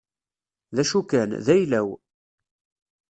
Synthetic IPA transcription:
ðæʃukænðæjlæw

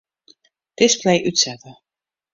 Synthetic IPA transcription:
d̥ɪsplejʔytsɛtə

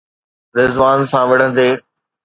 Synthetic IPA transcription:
ɾɪzʋaːnsãːʋɐɽ̤ə̃nd̪eː

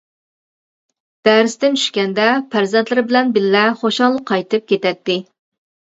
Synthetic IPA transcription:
d̪̥æɾɪst̪ɪnt͡ʃʰy̥ʃkʲɛnd̪ɛpʰæɾzɛnt̪lɪɾɪbɪlɛnbɪlːɛχoʃɑŋlˠəqʰːɑjt̪ɨp̚kʲʰet̪ɛt̪ːɪ

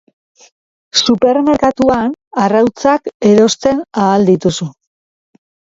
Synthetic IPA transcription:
supe̞ɾme̞ɾkat̪uanarawt͡sake̞ɾo̞st̪e̞naːld̪it̪usu

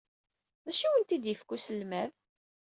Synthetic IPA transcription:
ðæʃiwəlt̪id̪jəfkusəlmæð

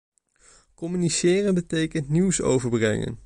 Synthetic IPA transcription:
kɔmynisɪːrənbətejkəntniwso̰wvəɹbrɛ̰ŋə̰n

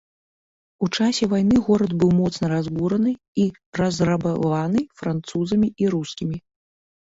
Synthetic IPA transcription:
ut͡ʂasʲɛvajnɨɣɔɾɐd̪bɨwmɔt̪snɐɾazbuɾɐnɨ | i | rɐzrabavanɨfɾant̪suzɐmʲiiɾuskʲimʲi

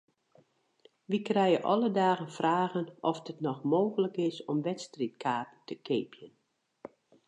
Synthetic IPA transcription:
ʋikrɛjəʔɔ̰lədaːɣənfraːɣənʔɔfdətnɔxmoːɣələkɪsɔmʋɛtstrit̚kʰaːpən̩tʰəkʰeːpʰjən

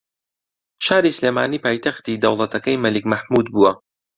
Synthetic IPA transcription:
ʃaːɾisleːmaːniːpaːjt̪ʰɐxt̪iːd̪ɐwlˠɐt̪ʰɐkɐjmɐlikmɐħmud̪̚buwɐ

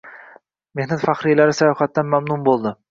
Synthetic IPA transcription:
me̞hnat̪faχɾijlaɾɪsajɒːfat̪̚ːanmamnʊnbolˠd̪ɪ

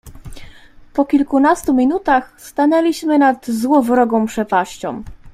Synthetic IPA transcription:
pɔkʲilkunast̪umʲinut̪axst̪anɛlʲiɕmɘnad̪zwɔvɾɔɡɔ̃w̃pʂɛpaɕt͡ɕɔ̰̃m

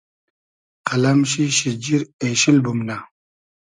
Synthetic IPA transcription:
qɐlɐmɕiɕid͡ʑiɾeːɕilbumna

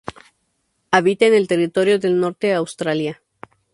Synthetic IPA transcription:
aβit̪eeːne̞lt̪e̞rit̪o̞ɾjo̞ðe̞lno̞ɾt̪e̞awst̪ɾalja

